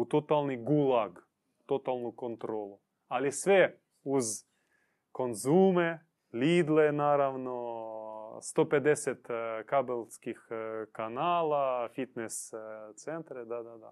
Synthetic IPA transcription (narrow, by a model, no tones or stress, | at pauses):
ut̪ot̪alˠniɡulaɡ | ut̪ot̪alˠnukont̪ɾolˠu | alisʋɛ | uz | konzumɛ | lʲid̪lɛnaɾaʋno | st̪opɛd̪ɛsɛt̪kabelskixkanalafit̪nɛst̪sɛnt̪ɾɛd̪ad̪ad̪a̰